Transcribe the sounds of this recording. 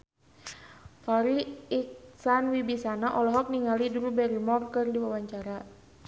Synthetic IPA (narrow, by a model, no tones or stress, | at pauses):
faɾiiksanwibisanaʔɔlɔɦɔk̚niŋalidɾubɛɾimɔrkɨrdiwawaɲt͡ʃaɾa